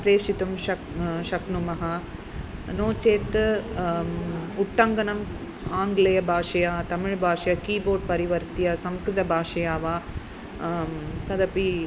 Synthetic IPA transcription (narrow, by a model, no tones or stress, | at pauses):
pɾeːʂit̪umʃɐ | ʂɐknumɐɦɐ | noːt͡ʃeːt̪ːɨ | ʊʈːɐŋɡɐnɐm | aːŋɡɪlɐjɐbʱaːʂɐjaːt̪ɐmɪɻbʱaːʂɐjɐkiːboːɖ̚pɐɾɪʋɐɾt̪ijɐsɐmskɾɪt̪ɐbʱaːʂɐjaːʋa | t̪ɐðɐpi